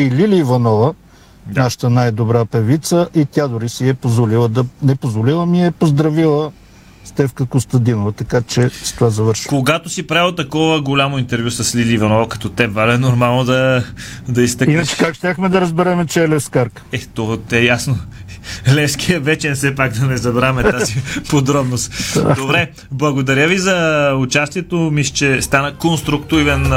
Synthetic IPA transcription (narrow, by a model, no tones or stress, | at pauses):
ililiːvɐnɔvə | naʃə̥t̪ənajd̪obɾapɛvit̪səʔit̪ʲad̪oɾisiɛpozvolilˠəd̪ɐnɛpozvolilˠəmiɛpozd̪ɾɐvilˠə | st̪ɛfkəkost̪ɐd̪inovət̪ɐkat͡ʃɛst̪ovazɐvəɾʃkoɡat̪osipɾaɛlˠt̪ɐkɔvəɡolʲamoint̪ɛɾvʲjusɐslilʲiːvɐnɔvəkɐ̥t̪ɔt̪ɛbvalɛnoɾmalˠnod̪ɐd̪ɐist̪əkinət͡ʃɛ̥kakʃt̪ʲaxmɛd̪ɐɾɐzbɛɾɛmɛt͡ʃɛlɛskaɾk | ɛt̪ɔt̪ɛjasno | lɛskiəvɛt͡ʃɛnsɛpakd̪ɐnɛzɐbɾamɛt̪azipod̪ɾɔbnost̪d̪obɾɛ | blˠɐɡod̪ɐɾjəvizɐʊt͡ʃast̪iɛt̪omislt͡ʃɛst̪anəkonst̪ɾukt̪ujvɛn